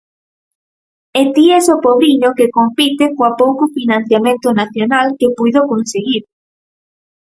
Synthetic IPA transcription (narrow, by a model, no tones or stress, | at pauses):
et̪iɛsopoβɾiɲokekompit̪ekowapowkofinãn̟θjamẽnt̪ʊnaθjonalkepujðokonseɣiɾ